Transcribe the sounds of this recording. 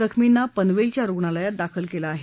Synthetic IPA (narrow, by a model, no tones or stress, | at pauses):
əkʰminːapənʋelt͡ɕjaɾoɡɳaləjat̪̚d̪akʰəlkelaːɦe